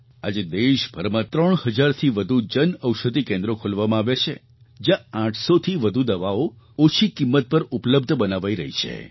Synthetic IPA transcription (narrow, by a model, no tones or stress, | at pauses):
ad͡ʒed̪eʃbʱəɾmãt̪ɾəɳhəd͡ʒaɾt̪ʰiʋəd̪ʱud͡ʒənəwʃəd̪ʱikẽnd̪ɾokʰolʋamãaʋet͡ʃʰḛ | d͡ʒjããʈʰsot̪ʰiʋəd̪ʱud̪əʋao | ot͡ʃʰikimːət̪̚pəɾupləb̚d̪ʱbənaʋaiɾə̰ɦit͡ʃʰḛ